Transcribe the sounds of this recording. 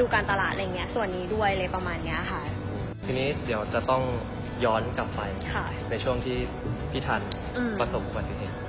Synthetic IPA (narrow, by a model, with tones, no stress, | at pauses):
duː˧kaː˧nt̪a˧laː˨˩t̪̚ʔa˧jːŋːi˦˥ɐsu˨˩ənːiː˦˥du˥˩əjlɤː˧jpɾa˧maː˧nːi˦˥ɐkʰa˥˩ | ʔoː˧˩ | t̪ʰiː˧niː˦˥di˩˦əwt͡ɕa˨˩t̪ɔ˥˩ŋ | jɔː˦˥nka˨˩pːa˧jkʰa˥˩ | na˧jt͡ɕʰu˥˩əŋt̪ʰiː˥˩ | pʰiː˥˩t̪ʰaː˧n | ʔɯː˧pɾa˧so˨˩p̚ʔu˧ba˨˩t̪ːi˧ɦeː˨˩t̪̚